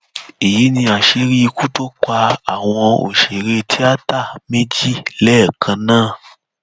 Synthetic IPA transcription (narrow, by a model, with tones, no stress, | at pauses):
e˨ji˨˦nĩ˧a˨ʃe˧˦ɾi˦˧ku˦to˦ka˧a˨w̃ɔ̃˧o̰˨ʃe˨ɾe˧tʰi˦a˦ta˦˨me˦d͡ʒi˦lɛː˦˨kʰã˧nãː˦˨